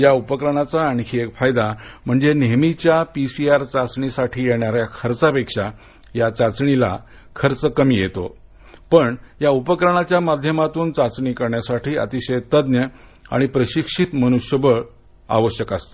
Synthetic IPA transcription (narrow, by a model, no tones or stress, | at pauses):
jaupəkɾəɳ̃at͡saːɽ̃ikiekfajd̪am̤əɳd͡zenemit͡ɕjapisiaɾt͡sat͡sɳisaʈʰiːjeɳjaɾjakʰəɾt͡sapekʂa | jat͡sat͡sɳila̰ | kʰəɾt͡səkəmiːjet̪o̰ | pəɳjaupəkɾəɳ̃at͡ɕjamad̪ʱjəmat̪uːnt͡sat͡sɳikəɾɳjasaʈʰiːə̰t̪iɕəjt̪əd̪njəa̰ɽ̃ipɾəɕikʂit̪məñuʂjəbəɭ | a̰ʋəɕjəkəst̪ḁ